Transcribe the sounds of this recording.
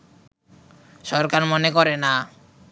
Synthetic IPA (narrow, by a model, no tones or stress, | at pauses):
ʃɔɾkaɾmɔnekɔɾena